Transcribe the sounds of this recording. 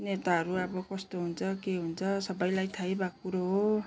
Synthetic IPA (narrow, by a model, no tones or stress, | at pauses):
net̪aɦʌɾuʌbʌkʌst̪oɦunt͡sʰʌkeɦunt͡sʰʌsʌbʌjlajt̪ʰajbakuɾoɦo